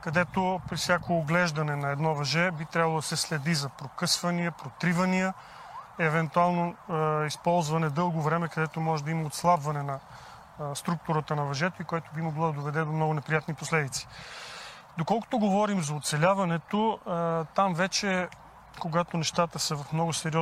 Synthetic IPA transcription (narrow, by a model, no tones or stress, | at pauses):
kɐd̪ɛt̪opɾifsʲjakooɡlɛʒd̪ɐnɛnɐɛd̪nɔvɐʒɛbit̪ɾʲabəlˠod̪ɐsɛslɛd̪izɐpɾokɤsvɐniəpɾot̪ɾivɐniə | ɛvɛnt̪ualˠnoispɔlˠzvɐnɛd̪ɤlˠɡovɾɛmɛkɐd̪ɛt̪omɔʒɛd̪ɐimɐot̪slˠabvɐnɛnɐ | st̪ɾuk̚t̪uɾət̪ənɐvɐʒɛt̪oikojat̪obimoɡlˠɔd̪ɐd̪ovɛd̪ɛd̪omnɔɡʊnɛpɾijat̪niposlɛd̪it̪si̥ | d̪okɔlˠko̥t̪oɡovɔɾimzɐot̪sɛlʲavɐnɛt̪ot̪amvɛt͡ʃɛ | koɡat̪onɛʃt̪at̪əsɐvɐfmnɔɡʊsɛɾiɔ